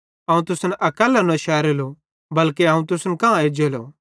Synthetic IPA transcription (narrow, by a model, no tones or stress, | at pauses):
ɐ̃ːũt̪ʊsnʔɐkəlːanɐ̃ʃaːɾelo | bɐlkeɐ̃ːũt̪ʊsnkããeːd͡ʒelo̰